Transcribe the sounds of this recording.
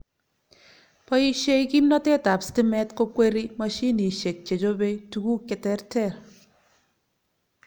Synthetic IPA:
pɔ˦i˦ʃe˦iki˦mnɔ˦tɛ˦ta˨psti˦mɛ˦tko˦kwe˦ɾi˦ma˦ʃi˦ni˨ʃe˨k̚t͡ʃe˨t͡ʃo˦be˦tu˨ku˦kɪ˨tɛ˦ɾtɛ˦˨r

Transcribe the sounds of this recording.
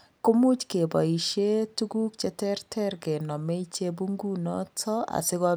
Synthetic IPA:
ko˦mu˦t͡ʃke˨bɔ̰˨i˨ʃe˦tu˦ɡu˦k̚t͡ʃe˦tɛ˦rtʰɛ˦ɾɡe˨nɔ˨me˦i˦t͡ʃe˦bu˦ŋɡu˦nɔ̰˦tʰɔ˦a̰˨sɪ˦ɣɔ˦

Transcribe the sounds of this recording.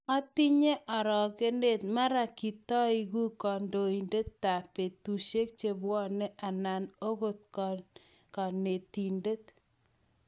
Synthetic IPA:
ɔ˦ti˦ɲe˦ʔɔ˨ɾɔ˨ke˦nde˦˨t̚ma˦ɾa˨ki˨tɔ˦i˨ɣu˦kɔ˨ndo˨i˨nde˦tːa˨pe˨tu˨ʃe˦k̚t͡ʃe˦bwɔ˦nɛ˦ʔa˨na˨no˦ɣo˦t̚kɔ | ka˨ne˨ti˨nde˦t

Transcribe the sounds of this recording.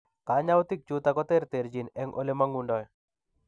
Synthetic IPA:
ka˨˦ɲa˦wt̪ɪ˦k̚t͡ʃut̪akɔ˦t̪e˦ɾt̪e˨ɾd͡ʒi˨nɛ˦ŋʔo̰˦le˦maŋundɔ˨j

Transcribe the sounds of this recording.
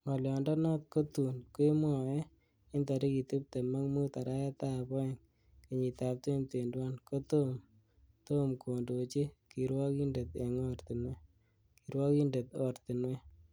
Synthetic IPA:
ŋɔ˨ljɔndɔ˦nɔ˦t̪̚ko˦t̪u˨nkwe˦mɔ˨ɛ˦ | ɪ˦nda˨ɾi˦ki˨tu˦p̚te˨ma˦ŋmu˦ta˨ɾa˦jɛ˦ta˦˨bɔ˦e˨ŋ | kɪ˨ɲi˨ta˨p̚twe˦mte˨ndwa˦nko˦t̪o˦m | t̪o˦mkʰo˨ndo˨t͡ʃi˦ki˨ɾwɔ˦ki˦nde˨t̪e˨ŋo˦ɾt̪i˨nwe˦ | ki˨ɾwɔ˦ki˦nde˨t̪o˨ɾt̪i˨nwe˦

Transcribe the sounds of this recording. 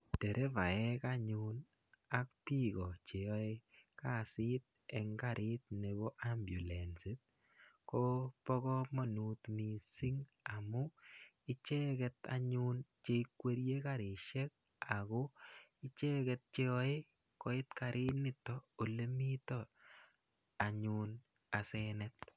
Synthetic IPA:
te˨ɾʔe˦va˨ɛ˦kaɲun | a˦k̚pi˦kɔ˨t͡ʃe˨ɔ˦e˦ka˦˨sɪ˦t̪̚ | ɛ˨ŋɡaɾʔɪ˦t̪̚ne˨bɔ˦ʔa˦mbju˨lɛ˨nsi˦t̚ | kopɔ˦kɔ˦mo˦nu˨t̪mi˨si˦ŋ | a˨mʊ˦ | ɪ˦t͡ʃɛ˦kɛt̪a̰˨ɲunt͡ʃe˦ikwe˦ɾje˦ka˨ɾɪ˨ʃɛ˦k̚ | a˨ko˦ɪ˦t͡ʃɛ˦kɛ˨t̪̚t͡ʃe˦ɔ˦e˦ | kɔ˨ɪ˦t̪ka˨ɾʔɪ˦tnɪ˦tɔo˨le˦mi˦t̪ɔ | a˨ɲun | a˨sɛnɛt̪̚

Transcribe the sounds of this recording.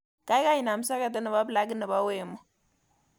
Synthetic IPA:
ka˦i˦ka˦ji˨na˨m˦sa˦ka˨t̬ə˦nə˨βa˦bla˦ɡi˦nə˨ba˦we˨mɔ˨

